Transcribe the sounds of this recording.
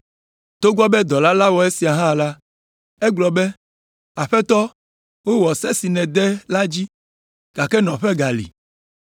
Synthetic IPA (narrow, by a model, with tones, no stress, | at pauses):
t̪o˦ɡɔ˦bɛ˦d̪ɔ˨la˦la˦wɔ˨e˦si˨a˨ɦã˦la˦ | e˦ɡ͡blɔ˨be˦ | a˨ɸɛ˦t̪ɔ˦ | wo˦wɔ˨sɛ˦si˨nɛ̃˨d̪ɛ˦la˦d͡ʑi˦ | ɡ̥a˨kɛ˦nɔ̃˨ɸɛ˦ɡa˨lḭ˨